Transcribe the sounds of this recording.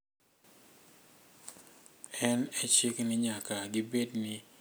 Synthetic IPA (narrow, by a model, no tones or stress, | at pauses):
ɛnɛt͡ʃiknɪɲakaɡibednɪ